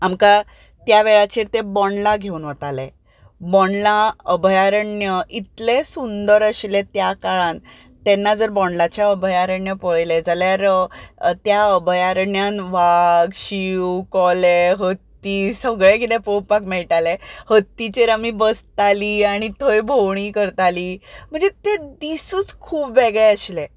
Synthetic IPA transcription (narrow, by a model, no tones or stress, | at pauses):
amka | t̪jaʋeɭat͡ɕiːɾt̪ebɔɳlaɡʱeuːnʋət̪ale | bɔɳlaəbʱəjaɾəɳjəʔit̪lesund̪əɾəɕlet̪jakaɭãn | t̪enːad͡zəɾbɔɳlat͡ɕjaəbʱəjaɾəɳjəpəɭled͡zaljaɾ | t̪jaəbʱəjaɾəɳjanʋaɡɕiwkɔleɦət̪ːisəɡɭẽkit̪ẽpowpakmɛɭʈalehət̪ːit͡ɕeɾamibəst̪aliːaɽ̃it̪ʰəjbʱowɳ̃iːkəɾt̪aliːm̤əɳd͡zet̪ed̪isuːt͡skʰuːpʋeɡɭeəɕle